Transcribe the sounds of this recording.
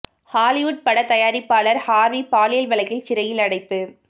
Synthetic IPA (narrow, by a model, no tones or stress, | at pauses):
haːlɪʋʊʈ̚pɐɽɐt̪ːɐjaːɾɪpːaːlɐɾhaːɾʋipaːlɪjɐlʋɐlɐɣɪlt͡ʃɪɾɐjɪlɐɽɐɪpːɯ